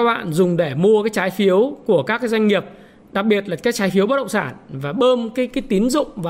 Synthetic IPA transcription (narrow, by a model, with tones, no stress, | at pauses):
ɓa̰ː˧˨nzʊ˨˩ŋ͡mɗe˧˩mu˧əkaː˨˦jt͡ɕaː˨˦jfi˨˦əwku˧˩əkaː˦˥k̚ːzwa˧jŋ̟ŋi˨˩əp̚ | ɗa˨˩k̚ɓi˨˩ət̚laː˨˩kaː˦˥k̚t͡ɕaː˨˦jfi˨˦əwə˦˥ɗə˧˨ŋ͡msaː˧˩nvaː˨˩ɓəː˧mkaː˨˦jkaː˨˦jt̪i˨˦ənzʊ̰˧˨ŋ͡mva˨˩